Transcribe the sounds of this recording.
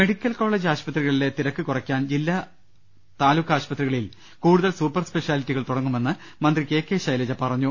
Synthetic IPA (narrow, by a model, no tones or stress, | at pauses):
me̞ɽikʲːɐlko̞ːɭːe̞ːd͡ʑaːɕpɐt̪riɣɐɭile̞t̪iɾɐkːɨkurɐkʲːaːnd͡ʑilːa | t̪aːlukːaːɕpɐt̪riɣɐɭil | kuːɽuðɐlsuːpːɐrspe̞ʂjaːlitːiɣɐɭt̪uɽɐŋːume̞nːɨ | mɐnd̪rike̞ːkːe̞ːɕɐjled͡ʑɐpɐrɐɲːu